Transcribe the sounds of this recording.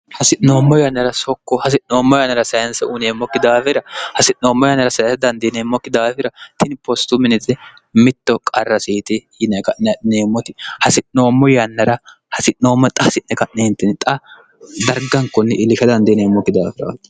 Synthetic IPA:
hɐsɪnoːmːɔjɐnːɐɾɐsɔkːɔhɐs̬ɪnoːmːɔjɐnːɐɾɐsɐjɐnsɛʔuneːmːɔkːɪd̪aːfɪɾɐhɐsɪno̞ːmːɔjɐnːɐɾɐsɐjnsɐd̪ɐnd̪ɪneːmːɔkːɪd̪aːfɪɾɐt̪ɪnpɔst̪ʊmɪnɪt̪ːɛ | mɪt̪ːɔkʼɐrːɐsiːt̪ɪ | ɪnɛkɐʔnɛneːmːɔt̪ɪhɐsɪnoːmːɔjɐnːɐɾɐ | hɐsɪʔo̞ːmːɔt̪ʼɐsɪʔnɛkɐʔnɛhɪnt̪ːɛnt̪ʼɐ | d̪ɐɾɡɐŋkːɔnːɛʔɪlːɪʃɐd̪ɐnd̪ɪneːmːɔkːɪd̪a̰ːfɪɾa̰t̪ː

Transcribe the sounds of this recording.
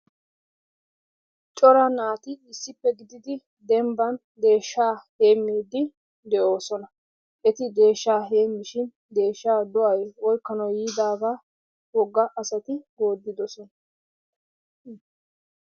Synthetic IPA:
t͡ʃʼɔɾɐnaːt̪ɪɪsːɪpːɛɡɪd̪ɪd̪ɪ | d̪ɛmbɐn | d̪e̞ːʃːaːhe̞ːmːiːd̪ːɪ | d̪ɛʔo̞ːsɔnɐ | ʔɛt̪ɪd̪e̞ːʃːaːɦe̞ːmːɪʃɪn | d̪e̞ːʃːaːd̪ʊʔɐjɔjkːɐnɔjiːd̪aːɡaː | wɔɡːɐʔɐsɐt̪ɪɡo̞ːd̪ːɪd̪ɔsɔnɐ

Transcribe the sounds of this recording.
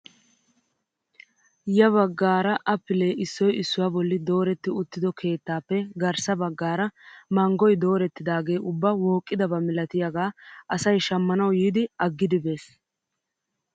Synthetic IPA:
jɐβɐɡːaːɾɐʔɐpːɪle̞ːʔɪsːɔjɪsːʊwabɔlːɪd̪o̞ːɾɛt̪ːɪʊt̪ːɪd̪ɔkʰe̞ːt̪ːaːpːɛɡɐɾsɐbɐɡːaːɾɐmɐŋɡɔjd̪o̞ːɾɛt̪ːɪd̪aːɡe̞ːʔʊbːɐwo̞ːkʼːɪd̪ɐbɐmɪlɐt̪ɪjaɡaːɐsɐjʃɐmːɐnɐwjiːd̪ɪɐɡːɪd̪ɪbe̞ːs

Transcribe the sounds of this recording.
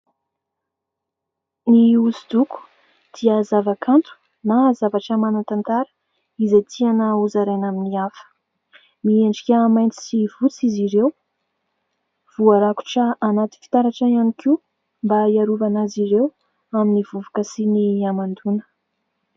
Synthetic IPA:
niuzid̪uku̥ | d̪̥iəzavakʰant̪u̥ | nazavaʈ͡ʂəmanant̪ant̪aɾə̥ | izet̪ʰianauzaɾanaminiafə̥ | mieɳɖ͡ʐikʲəmajnt̪i̥sivut͡siziɾew | v̥uaɾaku̥ʈ͡ʂəanat̪i̥fi̥t̪aɾaʈ͡ʂaianikiu | mbaiaɾuvanaziɾew | aminivuvḁkəsiniamand̪unə̥

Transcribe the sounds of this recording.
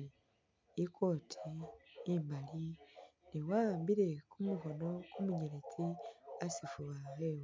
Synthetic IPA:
ikʰo̞ːtʰiː | mbaliniwambiɾe̞kumuko̞no̞kumuɲeɾet͡siasifuβahewe

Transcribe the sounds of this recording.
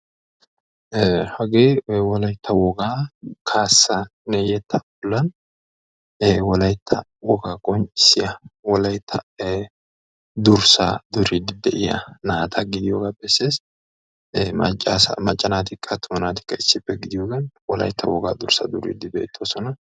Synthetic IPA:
hɐɡeːwɔlɐjt̪ʰːɐwɔɡaːkʰaːsːɐnɛjɛt̪ʰːɐbʊlːɐn | wɔlɐjt̪ʰːɐ | wɔɡaːkʼɔɲt͡ʃʼɪ̥sːɪjɐwɔlɐjt̪ʰːɐ | d̪ʊɾsɐ̰d̪ʊɾɪd̪ɪd̪ɛʔɪjɐ̰naːt̪ʰɐɡɪd̪ɪjo̰ːɡaːbɛsːeːs | mɐ̰t͡ʃʼːaːsɐ̰mɐt͡ʃʼːɐnaːt̪ɪkʰːɐt̪ʰːʊmɐnaːt̪ɪ̥kːɐɪsːɪpːɛɡɪd̪ɪjoːɡɐnwɔlɐ̰jt̪ʰːɐ̰wɔɡaːd̪ʊɾsɐ̰d̪ʊɾɪ̰d̪ːɪb̪ɛʔɪt̪ʰːoːsɔnɐ

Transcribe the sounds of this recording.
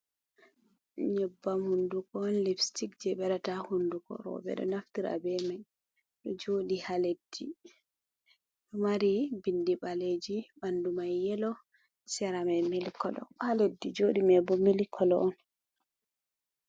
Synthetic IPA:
ɲɛbːamhundukɔːnlifstik̚d͡ʒɛɓɛɾatahundukɔ̰ɾɔ̰bɛ̰ɗɔ̰naftiɾa̰bɛmaj | ɗɔd͡ʒoːɗihaled̥ːi | maɾibindiɓaled͡ʒibandumajːɛlɔ | sɛɾamɛmilikɔlɔ̰haledːid͡ʒoɗimɛbɔmilikʰɔlɔʔɔn

